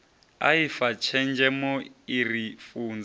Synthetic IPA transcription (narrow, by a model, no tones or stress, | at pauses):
a̰ifat͡ʃʰɛnd͡ʒɛmɔirifuːnd͡za